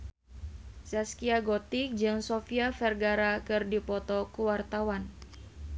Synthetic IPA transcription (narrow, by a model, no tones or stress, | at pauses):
saskiaɡɔt̪ik̚d͡ʒɨŋsofiafɛrɡaɾakɨrdipɔt̪ɔkuwart̪awan